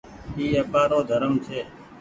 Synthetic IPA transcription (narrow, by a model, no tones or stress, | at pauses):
iːəpaːɾoːd̪ʱəɾəmt̪ʰeː